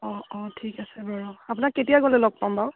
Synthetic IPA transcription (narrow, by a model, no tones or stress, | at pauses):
ɔɔtʰikasɛbɔɹɔap̬ʊnakːetijaɡɔlɛlɔɡ̚pambaw